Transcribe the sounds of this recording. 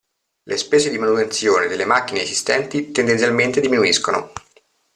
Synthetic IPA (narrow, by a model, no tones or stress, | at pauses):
lʔespɛːzed̪imanut̪ent̪sjoːned̪elːemakːineːzist̪ɛnt̪it̪end̪ent̪sʲjalment̪ed̪iminuiskono̰